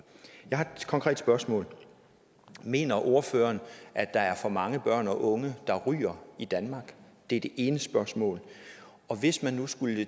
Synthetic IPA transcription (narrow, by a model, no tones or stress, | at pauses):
jɑ̈ɪhɑ̈ed̥kʰɒ̽ŋkʰʁɛ̰ːd̥sb̥ɶɐsmɔ̰̽ːl | me̝̰ːnɐʔo̝ɐføːɐnʔæd̥ɑ̈æɐfɒ̽mɑ̈ŋəb̥ɶɐ̰nɒ̽ʔɔ̽ŋəd̥ɑ̈ʁy̰ːɐid̥ænmɑ̈ːɡ̥d̥e̝æɐd̥e̝ʔe̝ːnəsb̥ɶɐsmɔ̰ːl | ɒ̽ʋe̝smænːusɡ̥ul